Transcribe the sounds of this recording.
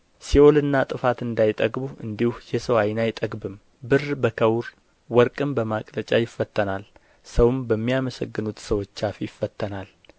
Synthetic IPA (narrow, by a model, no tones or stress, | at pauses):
siʔo̞lɨnːat̪ʼɨfat̪ɨnd̪ajt̪ʼəɡbuɨ̰nd̪ihujɛsəwajɪnajt̪ʼəɡbɨm | bɨrbəkʰəwɾ | wɔɾkʼɨmbəmakʼlət͡ʃʼajɪfːət̪ʰʼːənal | səwmbəmːijaməsəɡːɨnut̪səwo̞t͡ʃːafijɪfːət̪ːənal